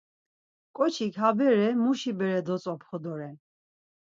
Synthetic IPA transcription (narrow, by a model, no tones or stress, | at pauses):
kʼɔt͡ʃʰikʰɦabɛɾɛmuʃibɛɾɛd̪ɔt͡sʼɔpʰχɔd̪ɔɾɛ